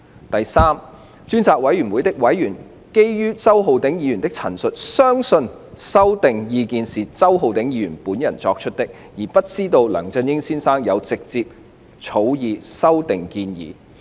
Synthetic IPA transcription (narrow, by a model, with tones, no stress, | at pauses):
t̪ɐ˨jsaː˥m | t͡ʃyː˥nt͡sʰaː˧k̚wɐ˨˥jɥyː˨˩nwuː˨˧jt̪ɪ˥k̚wɐ˨˥jɥyː˨˩n | ke˥jjyː˥t͡sɐ˥wɦo˨˧wt̪ɪ˨˥ŋjiː˨˧jnt̪ɪ˥k̚t͡sʰɐ̰˨˩nsɵ˨t̚sœː˥ŋsɵ˧n | sɐ˥wt̪ɪ˨ŋjiː˧kiː˨˧nsiː˨t͡sɐ˥wɦo˨wt̪ɪ˨˥ŋjiː˨˧ɥy̰ː˨˩puː˨˥njɐ˨˩nt͡sɔː˧k̚t͡ʃʰɵ˥t̚t̪ɪ˥k̚ | jiː˨˩pɐ˥t̚t͡siː˥t̪o˧wlœː˨˩ŋt͡sɐ˧njɪ˥ŋsiː˥nsaː˥ŋjɐ˨˧wt͡sɪ˨k̚t͡siː˧p̚ | t͡sʰo˨˥wjiː˨˧sɐ˥wt̪ɪ˨ŋkiː˧njḭː˨˧